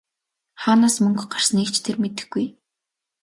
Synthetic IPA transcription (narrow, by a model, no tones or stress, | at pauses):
χaːnaːsmɵŋɡɢar̥sə̆nekt͡ɕʰt̪ʰermet̪ɘ̆xɡːuj